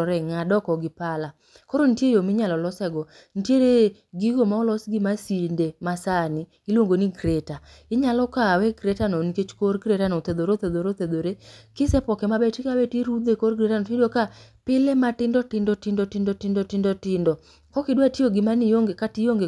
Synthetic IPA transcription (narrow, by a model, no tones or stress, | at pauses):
ɾɛŋadɔkɔɡɪpala | kɔɾontjejomɪɲalɔlɔsɛɡɔ | n̩tjeɾe | ɡɪɡomaɔlɔsɡɪmasindemasanɪ | ɪlwoŋɡoniɡɾeta | ɪɲalɔkawɛɡɾetanɔniket͡ʃkorɡɾetanɔt̪ed̪oɾot̪ed̪oɾot̪ed̪oɾekɪsɛpɔkɛmabɛtikawɛteɾud̪ekorɡɾetanɔtdokapɪlematɪndɔtɪndɔtɪndɔtɪndɔtɪndɔtɪndɔtɪndɔ | kɔkɪdwatioɡɪmanɪjoŋɡekatijoŋɡe